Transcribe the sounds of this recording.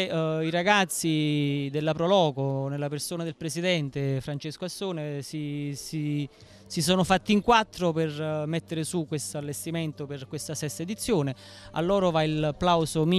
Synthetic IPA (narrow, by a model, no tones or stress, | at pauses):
iɾaɡat̪sːid̪elːapɾolɔːkonelːapersoːnad̪elpɾesid̪ɛnt̪efɾant͡ʃeskoasːoːnesisi | sisoːnʊfat̪ːiŋkwat̪ːɾopɪrmɛt̪ːeɾɪsukːwest̪oalːest̪iment̪opɪrkwest̪asɛst̪aed̪it̪sːjoːnɪ | a̰lːɔːɾʊvailapːlawzomi